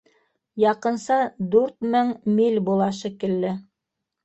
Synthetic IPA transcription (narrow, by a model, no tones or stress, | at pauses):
jɑqɤ̆nsɑd̪ʉɾt̪mɘŋmilʲbulˠɑʃɘ̆kɘ̆lːɘ